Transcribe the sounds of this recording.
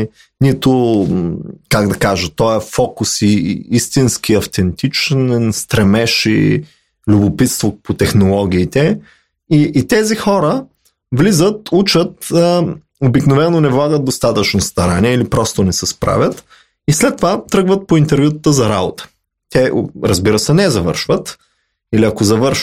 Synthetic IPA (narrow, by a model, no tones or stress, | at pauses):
nit̪ʊ | kaɡd̪ɐkaʒət̪ɔɛfɔkʊsiist̪insk̟iɐft̪ɛnt̪it͡ʃnɛnst̪ɾɛmɛʃḭ | lʲʊbopit̪st̪vopot̪ɛxnolˠɔɡ̟ʲiːt̪ɛ | iːt̪ɛzixɔɾə | vlizət̪ut͡ʃət̪ə | obiknovɛnːonɛvlˠaɡəd̪̚d̪ost̪at̪ət͡ʃnost̪ɐɾaniɛilipɾɔst̪onɛsɛspɾa̰vʲjət̪ | islɛt̪ːovat̪ɾɤɡvət̪̚point̪ɛɾvʲjut̪t̪əzɐɾabot̪ə̥ | t̪ɛɾəzbiɾəsɛnɛzɐvɤ̰ɾʃvət̪ | iliɐkozɐvɤɾʃ